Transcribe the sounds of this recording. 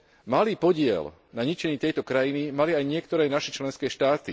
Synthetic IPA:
maliːpɔɟɪɛ̰l | naɲit͡ʃɛɲiːt̪ɛjt̪ɔkɾajinimaliajɲɪɛkt̪ɔɾɛːnaʃɛt͡ʃlɛnskɛːʃt̪aːt̪i

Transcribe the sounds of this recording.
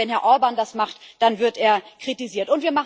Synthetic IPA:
ɛnhɛɐʔɔɐbandasmaχtd̥anvɪɐteːɐkʁ̥itiziːɐtʊntv̥iːɐmaχ

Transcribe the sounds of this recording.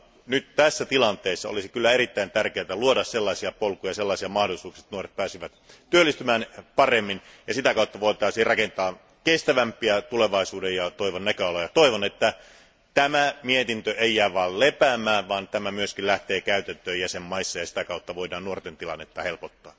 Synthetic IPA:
nyt̪t̪æsːæt̪ilɑnt̪eːsːɑo̰lisikylːæeɾit̪ːæint̪ærkeæt̪æluodɑsselːɑisiɑpolkːˑujɑjɑselːɑˑisiɑmɑhdolisuːksiet̪nuoret̪̚pæːsiʋæt̪t̪yølːˑist̪ymæːnpɑremːinjɑsit̪ækɑut̪ːɑʋoit̪ɑˑːsiːrrʔɑkent̪ɑː | kest̪æʋæmpˑiæt̪uleʋɑisuːdejjɑt̪oiʋonnækøɑlojɑt̪oiʋonet̪ːæ | t̪æmæmiet̪int̪øʔeijːæːʋɑːllepæːmːˑæːʋʋɑːnt̪æmæmyøskillæht̪eːkæyt̪ænt̪øːjæsemmɑisːɑjɑsi̥t̪ækɑut̪ːɑʋoidɑːnnuort̪ent̪ilɑ̰nːet̪ːɑhelpot̪ːɑː

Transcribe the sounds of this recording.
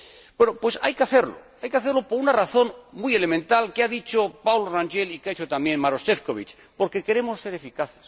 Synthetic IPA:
bwenopwe̞sa̰jkeaθeɾlo̰ | ajkeaθeɾlopo̞ɾunaraθo̞nmuje̞le̞mẽnt̪alkeaðit͡ʃo̞pawloranʒelikeaet͡ʃot̪ambje̞nmaɾo̞sefkoβit͡ʃ | po̞ɾke̞ke̞ɾe̞mo̞sːe̞ɾe̞fikaθes

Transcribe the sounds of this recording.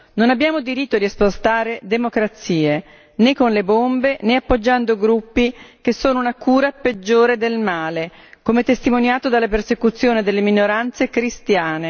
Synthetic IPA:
nonabjaːmod̪iɾit̪ːod̪iespost̪aːɾed̪emokɾat̪sːiːe | nekːonlebombeneapːod͡ʒːand̪oɡɾupːik̟esːoːnounakuːɾaped͡ʒːoːɾed̪elmaːle | koːmet̪est̪imonjaːt̪od̪alːapersekut̪sːjoːned̪elːeminoɾant̪sekɾist̪jaːne

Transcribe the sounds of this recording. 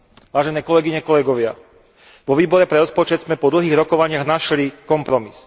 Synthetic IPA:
ʋaːʒɛnɛːkɔlɛɡiɲɛkɔlɛɡɔʋɪa | ʋɔʋiːbɔɾɛpɾɛɾɔspɔt͡ʃɛd̪zmɛpɔd̪l̩ɦiːɣɾɔkɔʋaɲɪaɣnaʃlikɔmpɾɔmis

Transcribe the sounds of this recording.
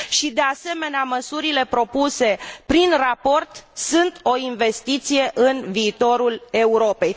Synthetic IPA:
ʃid̪e̞ase̞me̞neaməsuɾile̞pɾo̞puse̞pɾinrapo̞rt̪sɨnt̪o̞inve̞st̪it̪sije̞ʔɨnviːt̪o̞ɾule̞uɾo̞pe̞j

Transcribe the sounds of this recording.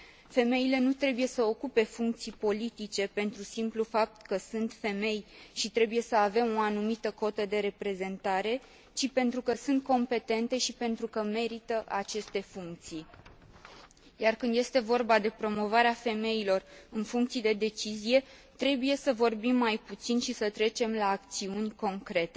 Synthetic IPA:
fe̞me̞ile̞nut̪ɾe̞buje̞səo̞kupe̞fuŋk̚t̪sijpo̞lit̪it͡ʃe̞pe̞nt̪ɾusimplufap̚t̪kəsɨnt̪fe̞me̞jʃit̪ɾe̞buje̞səave̞mo̞anumit̪əko̞t̪əd̪e̞ɾe̞pɾe̞ze̞nt̪aɾe̞ | t͡ʃipe̞nt̪ɾukəsɨnt̪̚ko̞mpe̞t̪e̞nt̪e̞ʃipe̞nt̪ɾukəme̞ɾit̪əʔat͡ʃe̞st̪e̞fuŋk̚t̪sij | jarkɨnd̪je̞st̪e̞vo̞rbad̪e̞pɾo̞mo̞vaɾeafe̞me̞ilo̞rɨnfuŋk̚t̪sijd̪e̞d̪e̞t͡ʃizije̞t̪ɾe̞buje̞səvo̞rbimːajput̪sinʃisət̪ɾe̞t͡ʃe̞mlaːk̚t̪siunʲko̞ŋkɾe̞t̪e

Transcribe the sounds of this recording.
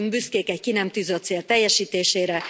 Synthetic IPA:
ŋɡbyskeːkɛckinɛmt̪yːzøt̪seːlt̪ɛjːɛʃiːt̪eːʃeːɾɛ

